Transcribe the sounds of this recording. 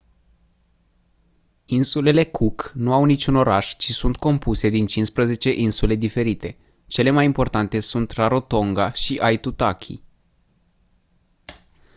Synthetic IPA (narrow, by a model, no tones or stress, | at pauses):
insule̞le̞kʰuknuawnit͡ʃuno̞ɾaʃt͡ʃisunt̪ko̞mpuse̞d̪int͡ʃinspɾəze̞t͡ʃe̞ʔinsule̞d̪ife̞ɾit̪e̞ | t͡ʃe̞le̞majimpo̞rt̪ant̪e̞sunt̪raɾo̞t̪o̞ŋɡaʃiʔajt̪ut̪akʲʰḭ